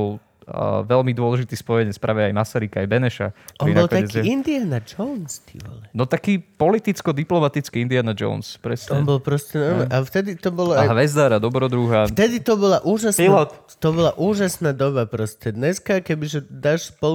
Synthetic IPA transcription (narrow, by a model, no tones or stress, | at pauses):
ɔl | ʋɛlmid̪ʊɔlɛʒit̪iːspɔjɛɲɛt͡spɾaːʋɛajmasaɾikaːjbɛnɛʃa̰ɔniinbɔalˠt̪aɛziind̪ianad͡ʒɔnst̪ḭʋɔ̰lɛnɔt̪akiːpɔlit̪it͡skɔd̪iplɔmat̪it͡skiind̪ianad͡ʒɔ̰ʊnspɾɛsɲɛɔnbɔlpɾɔscɛnɔɾmɛʔaft̪ɛd̪it̪ɔbɔlɔajɦʋɛzd̪aɾad̪ɔbɾɔd̪ɾuɦaft̪ɛd̪it̪ɔbɔlaʔuːʒaspilɔt̪ | t̪ɔbɔlaʔuːʒasnaːd̪ɔbapɾɔscɛd̪ɲɛskakɛbiʒɛd̪aʃspɔ